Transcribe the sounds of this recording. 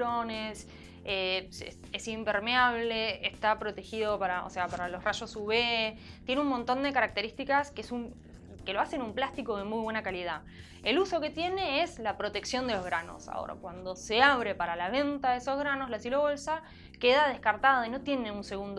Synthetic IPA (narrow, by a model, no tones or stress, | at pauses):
ɾones | eḛ | esimpeɾmeaβle̞est̪apɾo̞t̪e̞xiðo̞paɾao̰se̞apaɾalo̞sraʃo̞suβet̪je̞neummõnt̪o̞nd̪e̞kaɾak̚t̪e̞ɾist̪ikaskeesum | ke̞lo̞ase̞numplast̪iko̞ð̞e̞mujβ̞we̞nakaliða | eluso̞ke̞t̪je̞ne̞eslapɾo̞t̪e̞ksjo̞nd̪elo̞zɣɾano̞̰sa̰o̰ɾa̰kwand̪o̞se̞aβ̞ɾe̞paɾalaβ̞e̞nt̪aðeso̞zɣɾanozlasjeloβolsa | ke̞ðaðehkaɾt̪aðoino̞t̪je̞ne̞unse̞ɣund̪